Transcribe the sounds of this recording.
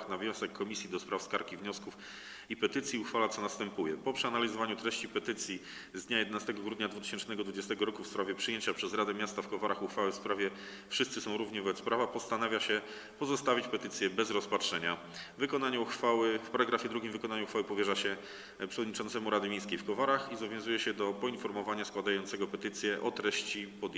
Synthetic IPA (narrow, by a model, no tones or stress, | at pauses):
xnavɲjɔ̃w̃sɛkːɔmʲisʲjid̪ɔspɾafskaɾkʲivɲɔskuf | ipɛt̪ɘt̪sʲjiuxfalat̪sɔnast̪ɛmpujɛpɔpʂɨanalʲizɔvaɲut̪ɾɛɕt͡ɕipɛt̪ɘt̪sʲji | zd̪ɲajɛd̪ɛnast̪ɛɡɔɡɾud̪ɲad̪vut̪ɘ̥ɕɛnt͡ʂnɛɡɔd̪vud͡ʑɛst̪ɛɡɔɾɔkufspɾavʲjɛpʂɘjeɲt͡ɕapʂɛzɾad̪ɛmʲjast̪afkɔvaɾaxuxfawɘfspɾavʲjɛ | fʂɘst̪sɘsɔ̃w̃ɾuvɲɛvɔbɛt̪spɾavapɔst̪anavʲjaɕɛ | pɔzɔst̪avʲit͡ɕpɛt̪ɘt̪sʲjɛbɛzɾɔspatʂɛɲa | vɘkɔnaɲuxfawɘfpaɾaɡɾafʲjɛd̪ɾuɡʲimvɘkɔnaɲuxfawɘpɔvʲjɛʐaɕɛ | pʂɛvɔd̪ɲit͡ʂɔntsɛmuɾad̪ɘmʲejskʲejfkɔvaɾaxizbɔvjɔ̃w̃zujɛɕɛd̪ɔpɔinfɔɾmɔvaɲaskwad̪ajɔnt̪sɛɡɔpɛt̪ɘt̪sʲjɛʔɔt̪ɾɛɕt͡ɕipɔd̪